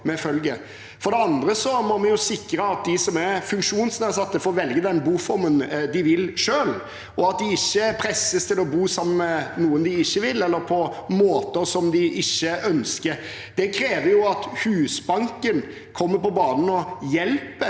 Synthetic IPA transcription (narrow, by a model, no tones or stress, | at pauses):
mɛfœlɡə | fɔɾd̪ɛɑnd̪ɾəsɔmɔmɛjʊsɪkɾəɑt̪̚d̪ɪsɔmæɾfʉŋkʂuːnsnæːsɑt̪ːəfoːʋɛlɡəd̪ɛnbuːfɔɾmənd̪ɪʋɪlʂøːl | ɔɑt̪̚d̪ɪɪçːəpʰɾɛsːəst̪ʰɪlɔbuːsɑmːənɛnuːənd̪ɪɪçːəʋɪlːɛlːəɾpʰɔmoːt̪əɾsɔmd̪ɪʔɪçːəʔœnskəɾ | d̪̥ɛkʰɾeːʋəjʊɑt̪hʉːsbɑŋkən | kʰɔmːəɾpɔbɑːnənɔjɛlpə